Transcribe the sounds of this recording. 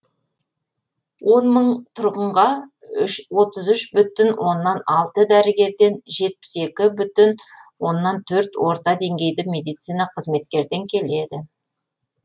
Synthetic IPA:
wo̞nməɴt̪ʰʊɾʁəɴʁɑ | ʏʃwo̞t̪əzʏʃbʏt̪ɪnwʔo̞nːɑnɑlˠt̪əd̪æɾɪɡʲe̞ɾd̪e̞nʒe̞t̪̚pɪ̥se̞kʲɪbʏt̪ɪnwo̞nːɑnt̪ʰɵɾt̪wo̞ɾt̪ɑd̪e̞ŋɡʲe̞jd̪ɪmʲe̞d̪ijt̪sijnɑqʰəzme̞t̪kʲe̞ɾd̪e̞ŋkʲʰe̞le̞d̪ɪ

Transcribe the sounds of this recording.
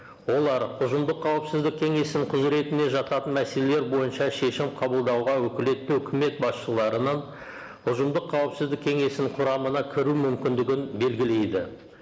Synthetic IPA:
wo̞lˠɑɾʊʒəmd̪əqːʰɑwəpsɪzd̪ɪk̚kʲʰe̞ŋe̞snɪŋɴqʰʊzɾe̞t̪ɪne̞ʒɑt̪ɑt̪ənmæse̞le̞le̞ɾbo̞jənʃɑʃe̞ʃɪmqʰɑbəlˠd̪ɑwʁɑwɵkʲɪle̞t̪ːɪɵkʲʰɪme̞t̪̚bɑsʃəlˠɑɾənɑn | ʊʒəmd̪əqʰːɑwəpsɪzd̪ɪkʲʰe̞ŋe̞sɪnɪɴqʰʊɾɑmənɑkʲʰɪɾumʏmkʲɪnd̪ɪɡʲɪnbe̞lɡʲɪle̞jd̪ɪ

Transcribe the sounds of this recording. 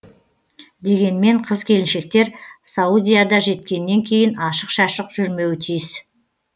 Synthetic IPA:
d̪e̞ɡʲe̞nme̞ɴqʰəzkʲʰe̞lɪnʃe̞k̚t̪e̞ɾsaud̪ʲijad̪ɑʒe̞t̪̚kʲe̞nːe̞ŋkʲʰe̞jɪnɑʃəqʃɑʃəqʒ̥ʏɾme̞wɪt̪ʰijɪs

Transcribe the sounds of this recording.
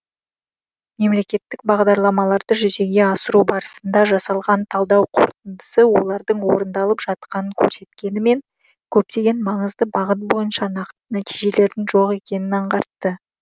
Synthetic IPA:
me̞mle̞kʲe̞t̪ːɪk̚bɑʁd̪ɑɾlˠɑmɑlˠɑɾd̪əʒʏze̞ɡʲe̞ɑsəɾubɑɾəsənd̪ɑʒɑsɑlˠʁɑnt̪ʰɑlˠd̪ɑwqʰo̞̰ɾt̪ənd̪əsəwo̞lˠɑɾd̪əɴwo̞ɾənd̪ɑlˠəpʒ̥ɑt̪qɑnəŋkʲʰɵ̰ɾse̞t̪kʲe̞nɪme̞ŋ | kʲʰɵp̚t̪e̞ɡʲe̞nmɑɴəzd̪əbɑʁət̪̚bo̞jənʃɑnɑqt̪ənæt̪ijʒe̞le̞ɾd̪ɪŋʒo̞ʁe̞kʲe̞nɪnɑɴʁɑɾt̪ːə

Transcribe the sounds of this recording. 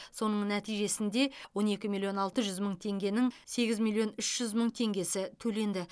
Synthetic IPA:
so̞nəɴnæt̪ijʒe̞sɪnd̪e̞wo̞ne̞kʲɪmilˠijo̞nɑlˠt̪əʒʏzməɴt̪ʰe̞ŋɡʲe̞nɪŋse̞ɡʲɪzmʲilʲˠijo̞nʏʃʒ̥ʏzməɴt̪ʰe̞ŋɡʲe̞sɪt̪ʰɵle̞nd̪ɪ

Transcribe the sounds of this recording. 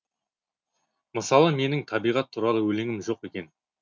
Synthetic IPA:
məsɑlˠəme̞nɪŋt̪ʰɑbijʁɑt̪ʰːuɾɑlˠəwɵlɪŋɪmʒo̞qe̞kʲe̞n

